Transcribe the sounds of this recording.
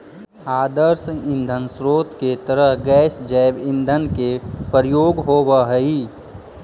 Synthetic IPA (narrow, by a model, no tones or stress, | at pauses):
aːd̪əɾsɪ̃nd̪ʱənsɾoːt̪ket̪əɾəɦɡɛːsd͡ʒɛːbɪ̃nd̪ʱənkepəɾjoːɡɦoːbaɦəiː